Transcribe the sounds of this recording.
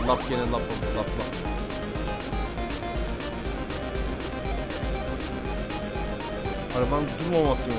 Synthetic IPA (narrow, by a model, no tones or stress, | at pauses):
lˠap̚ɡʲenɛlˠapalˠaplˠap | aɾband̪uɾmamasɯn